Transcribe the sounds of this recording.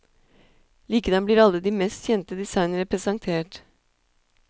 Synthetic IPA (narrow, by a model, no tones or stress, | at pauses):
liːkəd̪ɑnbliːɾɑlːəd̪iːmɛst̪çɛnt̪əd̪ɪsɑɪnəɾəpɾɛsɑŋt̪ʰeːʈ